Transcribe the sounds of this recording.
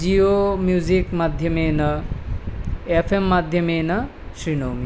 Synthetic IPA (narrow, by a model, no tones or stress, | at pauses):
d͡ʑiomjud͡ʑikmad̪ʱjəmenɐ | efʰemːad̪ʱjəmenɐ | ɕɾinomi